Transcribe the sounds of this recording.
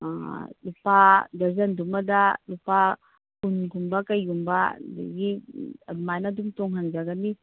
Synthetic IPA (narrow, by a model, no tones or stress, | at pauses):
a̰lupadazandumad̪alupa | kunɡumbakajɡumbadḭɡiamajnadumtɔŋɦanzaɡani